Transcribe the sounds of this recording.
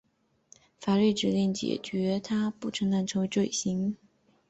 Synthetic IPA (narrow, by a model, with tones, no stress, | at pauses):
fa˨˩ly˥˩ʈ͡ʂɻ̩˨˩˥ljɛ˥˩nt͡ɕjɛ̰˨˩t͡ɕɥɛ˧˥t̪ʰa˥pu˥˩ʈ͡ʂʰɤ˧˥ŋt̪a˥˩nʈ͡ʂʰɤ˧˥ŋwe˧˥ʈ͡ʂwe˥˩ɪɕi˧˥ŋ